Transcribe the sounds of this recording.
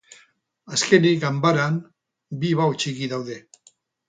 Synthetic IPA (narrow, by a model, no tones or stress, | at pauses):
aske̞niɡambaɾan | biβaot͡ʃiɣiðawðe̞